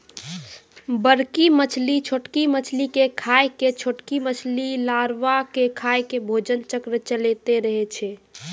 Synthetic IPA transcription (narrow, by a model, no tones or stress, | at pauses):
bəɾkimət͡ʃʰlit͡ʃʰoʈkimət͡ʃʰlikekʰaeket͡ʃʰoʈkimət͡ʃʰlilaɾʋakekʰaekebʱod͡ʒənt͡ʃəkɾt͡ʃəlet̪eɾəɦɛt͡ʃʰɛ